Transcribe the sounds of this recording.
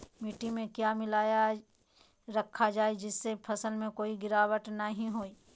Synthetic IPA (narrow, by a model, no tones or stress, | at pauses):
miːʈimẽkjaːmɪlaːja | ɾɐkʰːad͡ʒaːed͡ʒɪsːepʰɐsəlmẽkoːiɡɪɾaːwəʈnəɦĩɦoːi